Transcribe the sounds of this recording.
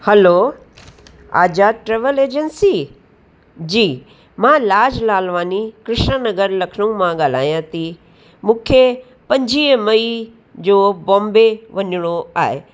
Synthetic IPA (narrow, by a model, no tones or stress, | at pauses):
hɐlo | a̰ːd͡ʑaːʈɾeːʋəleːd͡ʑənsi | d͡ʑiː | mãːlaːd͡ʑlaːlʋaːnikɾɪʃnənɐɡəɾlɐkʰɽ̃ũmãɠaːl̤aːjãt̪ʰi | mũːkʰe | pɐ̃ɲd͡ʑʱiːmɐi | d͡ʑoːbɔ̃ːmbeʋɐɲʊɽ̃oaːɦḛ